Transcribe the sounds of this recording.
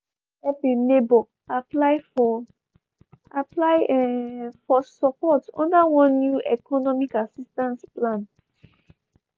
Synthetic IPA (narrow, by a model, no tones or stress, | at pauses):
ɛpĩmebɔ | aplaɪ | aplaɪ | fɔsɔpɔtɔ̰̃ndawɔ̃nːjuʔɛkʰɔnɔmikasistãnsplãn